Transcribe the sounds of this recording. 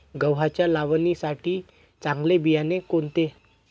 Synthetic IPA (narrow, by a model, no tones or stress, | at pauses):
ɡəwɦat͡ɕjalaʋnisaʈiː | t͡sãŋɡlebijanekont̪e